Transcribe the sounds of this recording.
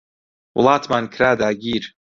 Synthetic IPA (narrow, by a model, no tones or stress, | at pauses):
w̰lˠaːt̪ʰmankʰɾaːd̪aːɡʲiːɾ